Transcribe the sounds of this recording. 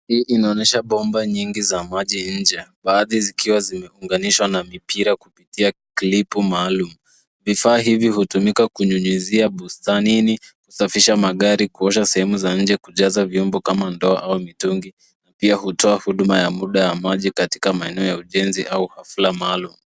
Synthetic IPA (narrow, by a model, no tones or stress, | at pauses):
hiːʔinaɔnɛʃaɓɔmbaɲiŋɡizamaʄiɲ̩d͡ʒɛɓaːðizikiwazimɛuŋɡaniʃwanamipiɾakupitiakilipumaːlumu | vifaːɦiviɦutumikakuɲuɲiziaɓustaniniku̥safiʃamaɠaɾikuɔʃ̬asɛhɛmuzaɲ̩d͡ʒɛkuʄazaviɔmbɔkamandɔa̰ʔaumituŋɡi | napiahutʰɔahuɗumajamuɗajamaʄikati̥kamaɛnɛɔjauʄɛnziʔauhaflamaːlumu